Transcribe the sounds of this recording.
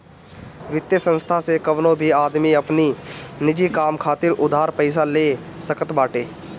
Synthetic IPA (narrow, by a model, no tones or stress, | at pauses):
ʋɪt̪jəsə̃nst̪ʰasekəʋnõbʱiaːd̪miɐpninɪd͡ʒikaːmkʰaːt̪ɪɾʔʊd̪ʱaːɾpəɪs̬aleː | səkət̪baːʈeː